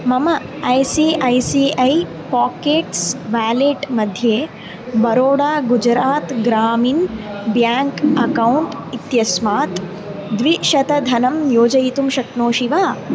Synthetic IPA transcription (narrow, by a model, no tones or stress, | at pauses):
mɐmɐ | ɐjsiːɐjsiːɐj | paːkeːʈsʋaːleːʈmɐd̪ʱjeː | bɐɾoːɽaːɡud͡ʒɾaːt̪ɡɾaːmiːnbjaːŋkɐkɐwɳʈit̪jɐsmaːt̪ | d̪ʋiʃɐt̪ɐd̪ʱɐnɐmjoːd͡ʒɐjit̪umʃɐkɳoːʃiʋaː